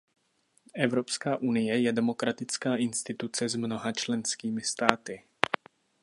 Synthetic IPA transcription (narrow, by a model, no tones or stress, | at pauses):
ʔɛvɾo̞pskaːʔunɪjɛjɛdɛmo̞kɾat̪ɪt͡skaːʔɪnst̪ɪt̪ut͡sɛzmno̞ɦat͡ʃlɛnskiːmɪst̪aːt̪ɪ